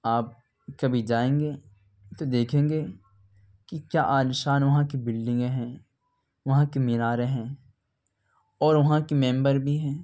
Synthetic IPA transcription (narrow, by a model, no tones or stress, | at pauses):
aːp̚ | kɐbʱid͡ʒaːẽːŋɡeː | t̪od̪eːkʰẽːŋɡeː | kikjaːʔaːnɪʃaːnʋɐɦãkibɪlɖɪ̃ŋɡɦɛ̃ː | ʋɐɦãkimɪɾaːɾeɦɛ̃ː | ɔːɾʋɐɦãkimɛ̃ːmbəɾbʱiɦɛ̃ː